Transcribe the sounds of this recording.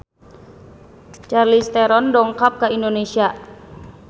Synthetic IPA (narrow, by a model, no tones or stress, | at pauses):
t͡ʃarlist̪ɛɾɔndɔŋkap̚kaindonesia